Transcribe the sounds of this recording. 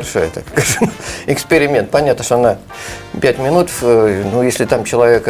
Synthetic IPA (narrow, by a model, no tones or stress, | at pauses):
ɾʂo̰jt̪a̰kskaʐɨmɪkspʲɪɾʲɪmʲe̞nt̪̚pɐnʲat̪nəʂt̪ona | pʲætʲmʲɪnut̪əfnujesʲlʲɪt̪amt͡ɕɪlˠɐvʲe̞k